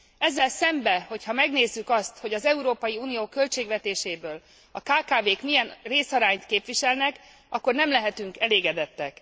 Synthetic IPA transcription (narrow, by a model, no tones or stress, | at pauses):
ɛzːɛlsɛmbɛho̞chɒmɛɡneːzːykɒst̪ho̞ɟɒzɛuɾoːpɒjiuːnijoːkø̞lt͡ʃeːɡʋɛt̪eːʃeːbøːl | ɒkaːkaːveːkmijɛnreːsɒɾaːɲt̪keːpʋiʃɛlnɛk | ɒkːo̞rnɛmlɛɦɛt̪yŋkɛleːɡɛd̪ɛt̪ːɛk